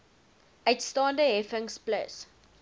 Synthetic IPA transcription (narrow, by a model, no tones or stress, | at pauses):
etstɑ̃ːndəɦɛfɪŋsplə̰s